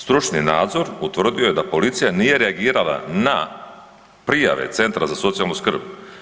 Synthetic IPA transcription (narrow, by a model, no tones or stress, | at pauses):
st̪ɾut͡ʃninaːd̪zo̞ɾut̪ʋr̩d̪ijo̞je̞d̪apo̞lit̪sijanije̞ɾeaɡiːɾalˠa̰na̰ | pɾija̰ʋe̞̰t̪se̞nt̪ɾazaso̞t̪sijalnuskr̩b